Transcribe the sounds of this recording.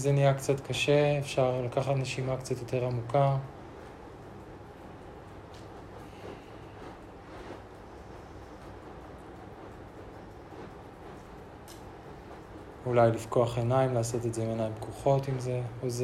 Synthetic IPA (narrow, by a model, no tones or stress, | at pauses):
zenijakt͡satkaʃe̞efʃaʁlakaχatne̞ʃimakt͡sat̪jo̞te̞ʁamuka | ulajlifko̞aχenaimlaːso̞tedzeimenajimbkʰoχo̞timzeoz